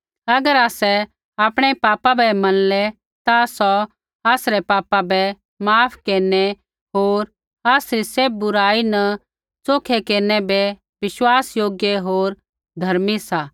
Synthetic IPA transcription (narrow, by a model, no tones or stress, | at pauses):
ɐɡəɾaːsɛ | aːpɽ̃ɛpaːpabɛmɐnlɛ | t̪asɔ | aːsɾɛpaːpabɛ | maːpʰkeːnɛ | ɦoːɾ | aːsɾiseːb̚bʊɾaːinɐ | t͡soːkʰekeːnɛbɛ | ʋɪʃwaːsjoːɡjeɦoːɾ | d̪ʱɐɾmisaː